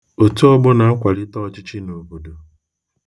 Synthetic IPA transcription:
o˨tu˦ɔ˦bʊ˦na˨a˦kʷa˨ɾɪ˦tɔ˦˨t͡ʃɪ˦t͡ʃi˦no˨bo˨do˨

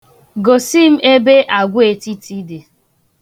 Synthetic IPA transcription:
ɡo˨si˦m̩˦e˦be˦ʔa˨ɡʷʊ˦e˨ti˦ti˦de˨

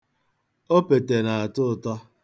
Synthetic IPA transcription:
o˦pe˨te˨na˨a˨tʊ˦˨tɔ˦

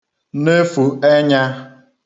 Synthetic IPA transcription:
ne˦fu˨e˦ɲa˦

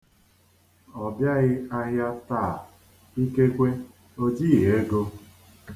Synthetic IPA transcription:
ɔ˨bja˦ɣɪ˦a˦ɣja˦taː˦˨ | i˦ke˦kʷe˦ | o˦d͡ʒi˦˨ɦe˦ɡo˦

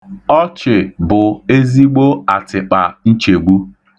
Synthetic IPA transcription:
ɔ˦t͡ʃɪ˨bʊ˨e˦zi˦ɡ͡bo˦a˨tɪ˨k͡pa˨n̩˦t͡ʃe˨ɡ͡bu˦

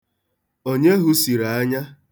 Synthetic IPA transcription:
o˦ɲe˦ɦu˦si˨ɾa˨a˦ɲa˦

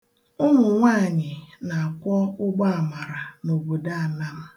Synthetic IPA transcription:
ʊ˦nʊ˨ŋʷa˦a˨ɲɪ˨na˨a˨kʷɔ˦ʊ˦ɡ͡ba˦a˨ma˨ɾa˨no˨bo˨da˦a˨na˦m̩˦

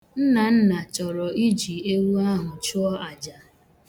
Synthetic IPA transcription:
n̩˦na˨n̩˦na˨t͡ʃɔ˨ɾɔ˨i˦d͡ʒi˨e˦wu˦a˦ɦʊ˨t͡ʃʊ˦ɔ˦a˨d͡ʒa˨

